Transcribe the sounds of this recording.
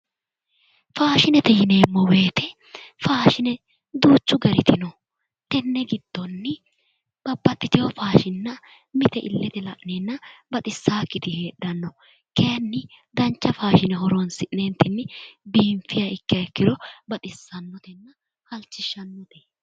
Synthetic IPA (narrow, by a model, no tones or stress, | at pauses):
faːʃɪnɛt̪ɛjɪne̞ːmːɔwe̞ːt̪ɛ | faːʃɪnɛ | d̪uːt͡ʃːʊɡɐɾɪt̪ɪnɔ | t̪ɛnːɛɡɪd̪̥ːɔnːɪ | b̥ɐbːɐt̪ːɪt̪ɪjɔfaːʃɪnːɐ | mɪt̪ɛʔɪ̰lːɛt̪ɛlɐ̰ʔneːnːɐbɐt̪ʼɪsːaːkːɪt̪ɪhe̞ːɗɐnːɔ | kejnːɪ | d̪ɐnt͡ʃːɐfaːʃɪnɛɦɔɾɔnsɪnɛnt̪ːɪnːɪbiːɱfɪjɐɪkːɐɛkːɪɾɔbɐt̪ʼɪsːɐnːɔt̪ɛnːɐ | hɐlt͡ʃːɪʃːɐnːɔt̪ɛ